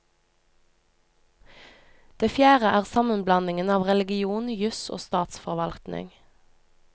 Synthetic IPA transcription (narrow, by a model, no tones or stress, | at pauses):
d̪̥eːfjæːʁəʔæːʁsɑmənblɑnɪŋənɑːʋʁɛlɪɡɪuːnjʉso̰ːst̪ɑːt̪sfɔʁʋɑlt̪nɪ̰ŋ